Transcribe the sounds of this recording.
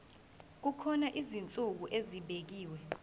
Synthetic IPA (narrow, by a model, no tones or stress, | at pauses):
k̬ukʰɔnaʔizint͡sʼuk̬uʔeziɓek̬iːwɛ